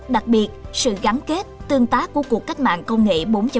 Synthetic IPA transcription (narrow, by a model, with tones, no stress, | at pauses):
ɗa˨˩k̚ɓi˨˩ət̚sɨ̰˧˨ɣa˨˦nke˦˥t̚t̪ɨ˧əŋt̪aː˨˦˥ku˧˩əku˨˩ək̚ːa˦˥jk̟̚ma̰ː˧˨nkə˧wŋ͡mŋḛ˧˨ɓo˨˦nt͡ɕə˨˦